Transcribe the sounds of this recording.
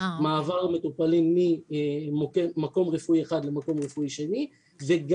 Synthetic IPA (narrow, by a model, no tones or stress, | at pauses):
maːvaʁme̞t̪upalimːimkːako̞mʁefuieχad̪lemako̞mʁefuiʃe̞ni | veɡ